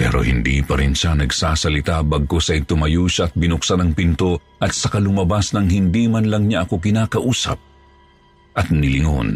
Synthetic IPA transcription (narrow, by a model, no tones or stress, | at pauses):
pɛ̰ːɾo̞̰hɪ̰nd̪ḭpɐɾɪnʃanɐɡsaːsɐlɪt̪abɐɡ̚ko̞sɐɪt̪ʊmɐjuːʃɐɐt̪̚bɪnʊksanɐŋpɪnt̪o̞ | ʔɐt̪̚sɐkɐlʊmɐbasnɐŋhɪnd̪imɐnlɐŋɲaʔɐko̞kɪnaːkɐʔuːsɐ̰p̚ | ʔɐt̪̚nɪlɪŋo̰n